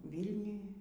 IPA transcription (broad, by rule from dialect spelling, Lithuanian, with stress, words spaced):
ˈʋʲiːlʲnʲʊj